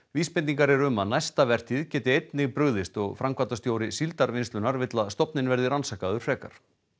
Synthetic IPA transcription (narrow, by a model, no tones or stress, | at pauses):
viːspɪnt̪iŋkaɾɛɾʏmːanajst̪avɛr̥t̪ɪðcɛːt̪ɪejt̪nɪɣpɾʏɣðɪst̪ɔɣfɾamkvat̪ast̪joːwɾɪsilt̪aɾvɪnst̪lʏnaɾvɪt̪laðst̪ɔpnɪnvɛɾðɪɾansaːkaðʏɾ̥fr̥ɛːka̰ɾ̥